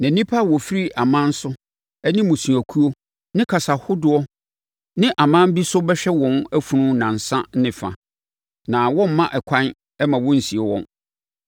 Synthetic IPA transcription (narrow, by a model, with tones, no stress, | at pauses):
nã˨nĩ˦pʰa˦˨wɔ˨fi˦ɾi˦ʔa˨mã˦n̩˦sʊ˦ | ɛ˦nĩ˦mʊ̃˨sũ˨æ˨kʰu˦o˦ | nɪ̃˦kʰa˨sa˨hʊ˦dʊ˦ɔ˦ | nɪ̃˦ʔa˨mã˦m˦bi˦sʊ˦bɛ˦ɕᶣɛ˦wɔ̃˨˦næ˦fu˨nʊ̃˦nã˨n̩˨sã˦nɪ̃˨fa̰˨ | nã˨wɔ̃˦m̩˦mã˦ʔɛ˨kʷʰã˦n | ɛ˦mã˨wɔ̃˦n̩˨si˨e˨wɔ̰̃˦n